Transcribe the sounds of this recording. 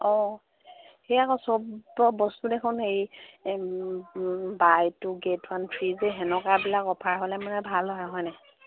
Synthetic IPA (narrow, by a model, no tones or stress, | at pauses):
ɔ | xejakɔsɔbɔbɔstudekʰɔnxej | bajtʊɡetʰwantʰɹizɛɦɛnɔkabilakɔpʰaɹɦolɛmanɛbʱalɔaɦɔjnɛ